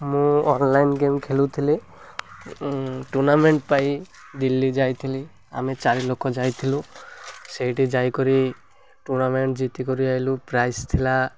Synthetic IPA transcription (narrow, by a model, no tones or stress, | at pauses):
mũɔnlajnɡemkʰelut̪ʰili | ʈuɾnameɳʈ̚paj | d̪ilːid͡ʒajt̪ʰili | a̰mit͡ʃaɾilokʰɔd͡ʒajt̪ʰilũsejʈid͡ʒajkɔɾi | ʈuɾnameɳʈd͡ʒit̪ikoɾiaɦilupɾajst̪ʰila